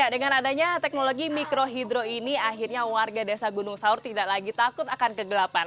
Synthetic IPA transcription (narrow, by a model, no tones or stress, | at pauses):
jadəŋanadaɲat̪ɛk̚noloɡimikɾoɦidɾoiniaɦirɲawarɡadasaɡunʊŋsaʊrt̪idaʔlaɡit̪akʊt̪akankəɡəlapan